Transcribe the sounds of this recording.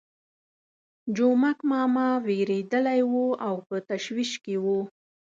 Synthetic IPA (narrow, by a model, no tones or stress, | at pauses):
d͡ʒomakmɑmaweɾed̪əlajwuawpət̪aʃwiʃkewu